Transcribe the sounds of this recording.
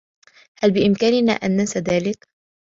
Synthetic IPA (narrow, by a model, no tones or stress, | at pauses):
halbɪʔɪmkaːnɪna̰ːʔanːasaðaːlɪk